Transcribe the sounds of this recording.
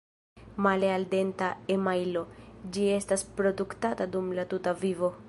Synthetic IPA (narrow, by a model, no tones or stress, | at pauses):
malealde̞ntaemajlo̞d͡ʒie̞staspɾo̞duktatadumlatutavivo̞